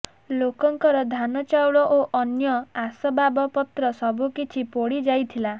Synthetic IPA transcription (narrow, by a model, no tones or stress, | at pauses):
lokɔŋkɔɾɔd̪ʱanɔt͡ʃawɭɔʔoʔɔnjɔasɔbabɔpɔt̪ɾɔsɔbʱukit͡ʃʰipoɽid͡ʒajt̪ʰila